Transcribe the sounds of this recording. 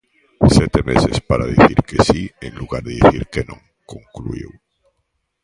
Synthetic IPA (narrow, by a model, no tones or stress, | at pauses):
set̪emesespaɾaðiθiɾkesienluɣaɾðeðiθiɾkenõŋ | koŋkluiw